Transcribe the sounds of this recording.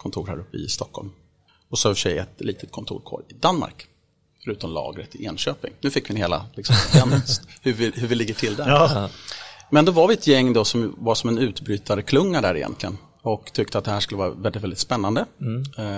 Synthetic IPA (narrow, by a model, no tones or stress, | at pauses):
kʰɔnt̪ʰuːɾhæ̰ːɾɵpːəɪ̰st̪ɔkʰːɔ̰lm | ɔsɔɪfəʂɛ̰jɛt̪liːt̪ʰə̥t̪̚kʰɔnt̪ʰṵːɾkʰo̰ːɾɪd̪anːma̰ɾk | fœɾʉ̟ːt̪ɔmlɑ̰ːɡɾət̪ʰːɪɪnɕøːpɪ̰ŋnʉ̟ːfɪkːvɪnheːla̰lɪksɔmjɛnhɵvɪhɵvɪlɪɡːəʈʰɪld̪æ | mɛnd̪ɔvaɾvɪɛt̪jɛŋːd̪ɔsɔmvasɔmɛnʉ̟ːt̪bɾyːt̪ʰand̪əkʰlɵŋːaɖæɾɪjɛ̰nt̪lɪɡə̰n | ɔkt̪ʰʏk̚t̪əat̪̚d̪ɛhæːʂkɵlːəvɑːɾa̰vɛldɪt̪vɛld̪ɪt̪spɛnːand̪ə